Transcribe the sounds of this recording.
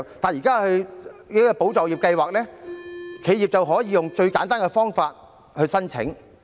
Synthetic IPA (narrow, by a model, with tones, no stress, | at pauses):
t̪aː˨njiː˨˩kaː˥hɵ˧ɥɔː˥ɔ˧po˨˥wt͡sɔː˨˩wjiː˨˩p̚kɐ˧jwaː˨k̚lɛː˥kʰe˨˧jiː˨p̚t͡sɐ˨wɦɔː˨˥jiː˨˧jʊ˨ŋt͡ʃɵ˧ɥka̰ː˨˥nt̪aː˥nkɛ˧fɔː˥ŋfaː˧t̚ | hɵ˧ɥsɐ˥nt͡sʰɪ̰˨˥ŋ